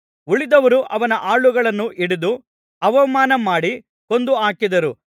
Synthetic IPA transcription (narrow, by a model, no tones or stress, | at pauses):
uɭid̪ɐʋɐɾuʔɐʋɐnɐʔaːɭuɡɐɭɐnːuʔiɽid̪u | ɐʋɐmaːnɐmaːɽi | ko̞nd̪uaːkid̪ɐɾu